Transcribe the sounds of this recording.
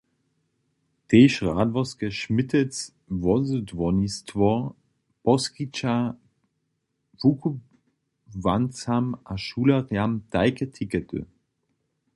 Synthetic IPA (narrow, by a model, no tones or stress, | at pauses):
teːʃʁaːdvɔskəʃmɪtʰɛt͡s | vɔzədvɔnistʰvɔ | pɔskit͡ʃa | vukʰu | vant͡samʔaʃuːlɐʁjamtaɪkətʰikətʰø̰